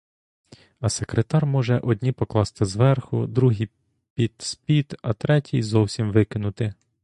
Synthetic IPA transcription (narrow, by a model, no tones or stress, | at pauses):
ɐsekɾet̪ɑrmɔʒɛʔɔd̪ʲnʲipɔklˠɑst̪ɪzʋɛrxʊ̰d̪ɾuɦi | pʲid̪spʲid̪ɐt̪ɾɛtʲijzɔwsʲimʋɪkɪnʊt̪ɪ